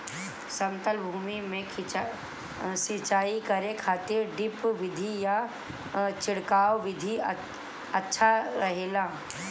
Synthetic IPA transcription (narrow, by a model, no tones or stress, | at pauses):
sɐ̃mt̪əlbʱuːmimẽkʰ | sɪt͡ʃaːikɐɾekʰaːt̪ɪɾɖɪpʋɪd̪ʱija | t͡ʃɪɽkaːʋʋɪd̪ʱi | ɐtːʃʰaɾɐɦeːlaː